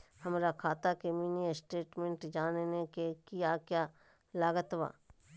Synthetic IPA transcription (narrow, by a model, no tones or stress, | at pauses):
hɐmɾakʰaːt̪akemiːnisʈeːʈmẽɳʈd͡ʒaːnnekekijakjaː | laːɡət̪ʋa̰ː